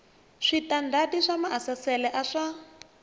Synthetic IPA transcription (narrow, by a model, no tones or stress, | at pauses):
ʂitandadiʂamaasasɛlɛʔaʂa